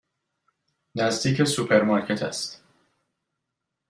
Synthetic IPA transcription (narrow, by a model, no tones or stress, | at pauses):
næzd̪iːcʰesupʰeɾmɑɾkʰet̪ʰæ̰st̪